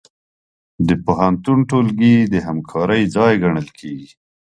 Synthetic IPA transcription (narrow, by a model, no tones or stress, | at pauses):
d̪əpoɦant̪unʈolɡid̪əɦamkʰɑɾəjd͡zɑjɡaɳəlkʰeɡi